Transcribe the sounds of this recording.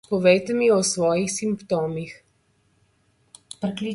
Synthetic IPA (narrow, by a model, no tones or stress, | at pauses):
pɔʋɛjt̪ɛmiɔsʋɔːjixsimpt̪oːmix | pɾɛkli